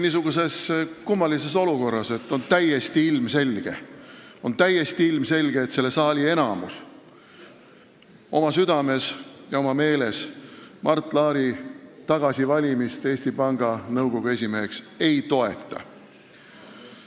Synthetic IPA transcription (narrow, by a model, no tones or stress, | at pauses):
nisuɡ̥use̞skumːɑlis̬e̞so̞luko̞rːɑse̞t̪ːˑo̞nt̪æje̞st̪iilmse̞lʲɡ̥e̞̰o̞nt̪æjest̪iilmse̞lʲɡ̥e̞ːt̪se̞lːe̞sɑːlʲie̞nɑmṵs | o̞mɑsyd̪̥ɑme̞sjɑo̞mɑme̞ːle̞smʔɑrt̪ˑːlɑːɾit̪ɑɡ̥ɑsivɑlʲimist̪e̞ːsʲt̪ipɑŋɡ̥ɑnɤwɡ̥o̞ɡ̥ue̞sʲimeeks | e̞jt̪o̞e̞t̪ˑːɑ̰